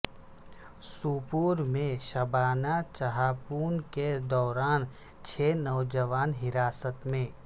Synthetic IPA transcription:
suːpuːɾmẽʃɐbaːnat͡ʃɐɦaːpuːnked̪ɔːɾaːn | t͡ʃʰeːnɔːd͡ʒəʋaːnɦɪɾaːsət̪mẽː

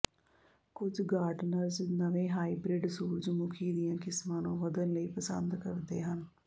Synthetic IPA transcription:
kʊd͡ʒɡaːɾɖnəɾd͡ʒnəʋẽːɦaːiːbɾɪɖsuːɾd͡ʒmʊkʰiːd̪ɪjãːkɪsmãːnũːʋəd̪ənləiːpəsənd̪kəɾd̪ḛːɦən

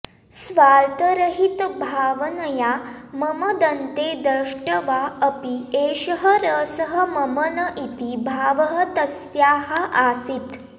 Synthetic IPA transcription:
sʋaːɾt̪əɾəɦit̪bʱaːʋənɐja | məməd̪ənt̪ed̪ɾəʂʈəʋaəpieːʃəɦəɾəːsəɦəmɐmənəʔit̪ibʱaːʋəɦət̪ɐsjaːɦaʔaːsit̪

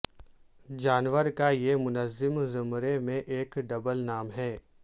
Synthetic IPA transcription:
d͡ʒaːnʋəɾkajemʊnəzːɪmzʊmɾemẽʔeːkɖɐbəlnaːmɦɛː

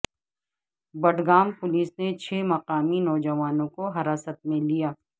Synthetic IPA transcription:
bɐɖɡaːmpʊliːsnet͡ʃʰeːmɐqaːminɔːd͡ʒɐʋaːnõkoɦɐɾaːsət̪̚mẽlijaː

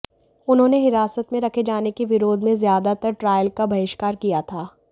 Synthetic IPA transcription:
ʊnɦõːneɦɪɾaːsət̪mẽɾɐkʰed͡ʒaːnekeʋɪɾoːd̪ʱmẽzjaːd̪at̪ɐɾʈɾaːjəlkabʱɐɪʃkaːɾkijat̪ʰaː

